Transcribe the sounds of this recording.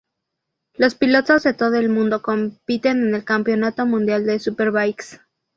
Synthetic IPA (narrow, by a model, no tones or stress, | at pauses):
lo̞spilo̞t̪o̞zðe̞t̪o̞ðo̞elmũnd̪o̞ko̞mpit̪e̞ne̞ne̞lkampjo̞nat̪o̞mũnd̪jald̪e̞supe̞ɾβajks